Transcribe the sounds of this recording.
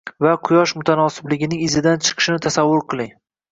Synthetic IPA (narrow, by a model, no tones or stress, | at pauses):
vaqʰʊjɒʃmʊt̪ʰanɒsɪblɪɡʲɪnɪŋɪzɪd̪ant͡ʃʰɨ̥qʰɨ̥ʃɪnɪt̪ʰasavːʊɾqʰɨlˠɪŋ